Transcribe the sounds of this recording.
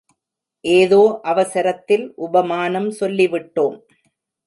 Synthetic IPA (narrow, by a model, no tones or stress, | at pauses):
ʔeːðoːʔɐʋɐsɐɾɐt̪ːɪlʔʊbɐmaːnɐmsɔlːɪʋɪʈːoːm